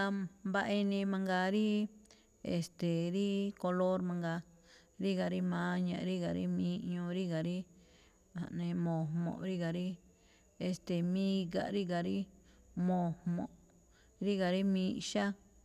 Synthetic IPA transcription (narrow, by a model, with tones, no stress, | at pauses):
a˧mba˧ʔi˧nĩ˧mã˧ŋɡa˧ɾi˦ | ḛ˨st̪e˨ɾi˦ko˧lo˦ɾmã˧ŋɡa˧ | ɾi˦ɣa˨ɾi˦mã˨˦ɲã̰˨˧ɾi˦ɣa˨ɾḭ˦mĩː˧˦ɲũ˧ɾi˦ɡa˨ɾi˦ | a̰˨ʔnẽ˧mõ˨mõ̰˨ʔɾi˦ɣa˨ɾi˦ | e˧st̪e˨mĩ˦ɡa̰˨ɾi˦ɡa˨ɾi˦ | mõ˨mõ˨ʔ | ɾi˦ɣa˨ɾi˦mĩː˦˧ʃa˦